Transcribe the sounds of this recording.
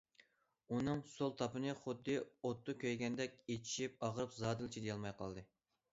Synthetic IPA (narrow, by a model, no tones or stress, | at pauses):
unɨŋsolˠt̪ʰɑpɨnɨχʊd̪ːɨot̪ːʊkʲʰøjɡʲɛnd̪ɛkʲet͡ʃʰi̥ʃip̚ɑʁɾɨpzɑːd̪ɨɪlt͡ʃʰid̪ejɑlˠmɑjqʰɑ̰lˠd̪ɨ